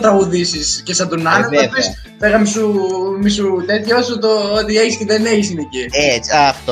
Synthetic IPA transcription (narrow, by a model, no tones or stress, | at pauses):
t̪ɾɐɣuðisiscesɐd̪unɐnɐɐpes | peɣɐmisumisut̪et̪çɐosot̪oot̪ieçisceðeneçis̬ineciet͡sɐft̪o